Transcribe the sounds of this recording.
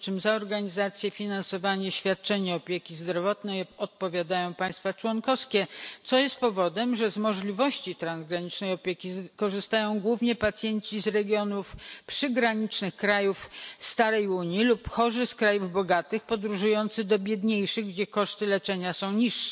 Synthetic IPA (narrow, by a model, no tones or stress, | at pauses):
t͡ʂɘmzaɔɾɡaɲizat̪sʲjɛfʲinansɔvaɲɛɕfʲjat̪̚t͡ʂɛɲɛɔpʲjekʲizd̪ɾɔvɔt̪nɛjɔt̪̚pɔvʲjad̪ajɔ̃w̃paj̃st̪fat͡ʂwɔnkɔskʲɛt̪sɔjɛst̪̚pɔvɔd̪ɛmʐɛzmɔʐlʲivɔɕt͡ɕit̪ɾanzɡɾaɲit͡ʂnɛjɔpʲjekʲikɔʐɘst̪ajɔ̃w̃ɡwuvɲɛpat̪sʲjɛɲt͡ɕizɾɛɡʲjɔnufpʂɘɡɾaɲit͡ʂnɘxkɾajufst̪aɾɛjuɲilupxɔʐɘskɾajuvbɔɡat̪ɘxpɔd̪ɾuʐujɔnt̪sɘd̪ɔbʲjɛd̪ɲejʂɘɣɡd͡ʑɛkɔʂt̪ɘlɛt͡ʂɛɲasɔ̃w̃ɲiʂːɛ̥